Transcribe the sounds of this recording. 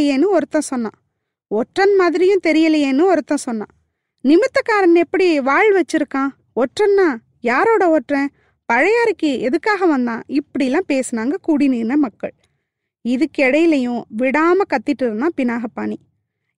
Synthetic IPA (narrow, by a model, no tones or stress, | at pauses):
jeːnːɯɔɾɯt̪ːɐ̃sɔnːã̰ː | ɔʈrɐnmaːðɪɾɪjʊ̃t̪ɛɾɪjɐlɐjeːnːɯɔɾɯt̪ːɐ̃sɔnːã̰ː | nɪmɪt̪ːɐkaːɾɐnɛpːɐɽiʋaːɭʋɐt͡ʃːɪɾɯkːãː | ɔʈrɐnːaː | jaːɾoːɽɐɔʈrɛ̃ | pɐɻɐjaːɾɯkːɯɛðɯkːaːɣɐʋɐnd̪ã̰ːʔɪpːɐɽɪlːãːpeːsɯnaːŋɡɐkuːɽɪniːnɐmɐkːɐɭ | ɪðɯkːɛɽɐjɪlɐjʊ̃ʋɪɽaːmɐkɐt̪ːɪʈːɯɾɯnãːpɪnaːɣɐpːa̰ːɳi